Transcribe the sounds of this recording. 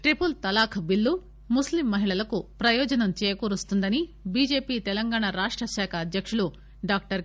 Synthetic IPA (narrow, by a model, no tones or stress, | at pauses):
ʈɾipult̪ɐlaːkʰɐbilːu | muslimːɐɦiɭɐlɐkupɾɐjɔːd͡ʒɐnɐmt͡ʃɛːjkuːɾust̪und̪ɐnibiːd͡ʒeːpiːt̪ɛlɐŋɡaːɳaɾaːʂʈɾɐʃɛːkʰɐːd̪jɐkʂulu | ɖaːk̚ʈɐɾ